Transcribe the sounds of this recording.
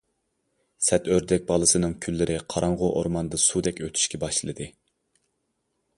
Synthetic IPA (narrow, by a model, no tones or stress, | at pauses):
sɛt̪øɾd̪ɛk̚ʲbɑlˠɨsɨnɨŋkʲʰylːɪɾʔɪqʰɑɾɑɴʁʊʔoɾmɑnd̪ɨsud̪ɛkʲøt̪ʰy̥ʃkʲʰɛbɑʃlˠɨd̪ɨ